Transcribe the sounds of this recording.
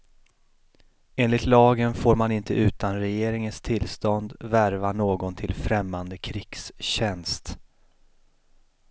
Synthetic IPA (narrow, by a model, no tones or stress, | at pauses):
eːnlɪt̪lɑːɡənfoːɾmanɪnt̪əʔʉ̟ːt̪anɾɛjeːɾɪŋənst̪ʰɪlst̪ɔnd̪væɾvanoːɡɔnt̪ʰɪlfɾɛmːand̪əkʰɾɪɡ̥sɕɛnst̪